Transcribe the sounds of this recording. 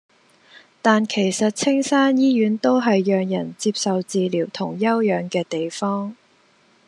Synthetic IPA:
t̪aː˨nkʰe˨˩jsɐ˨t̚t͡sʰɪ˥ŋsaː˥njiː˥jyː˨˥nt̪o˥wɦɐ˨jːœː˨ŋjɐ˨˩nt͡siː˧p̚sɐ˨wt͡siː˨liː˨˩wt̪ʰʊ˨˩ŋjɐ˥wjœː˨ŋkɛː˧t̪e˨jfɔː˥ŋ

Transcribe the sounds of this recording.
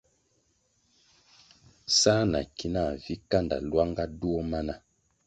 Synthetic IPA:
saː˦na̰˨ki˦na˦˨vi˦ka˦nda̰˨lwa˦ŋɡa˦du˦o˦ma˦na˦

